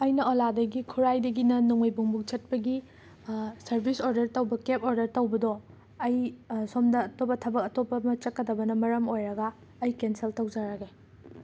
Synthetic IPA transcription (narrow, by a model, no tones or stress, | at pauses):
ɐjnɐoladɐɡikʰuɾajdɐɡinɐnuŋojbuŋbuk̚t͡ʃɐt̚pɐɡi | sɐɾbʱisoɾdɐɾtɐwbɐkepoɾdɐɾtɐwbɐdɔ | ɐjsomdɐːtopɐtʰɐbɐk̚ɐtopːɐmɐt͡ʃɐkːɐdɐbɐnɐmɐɾɐmojɾɐɡɐː | jkenseltɐwd͡ʒaɾɐɡe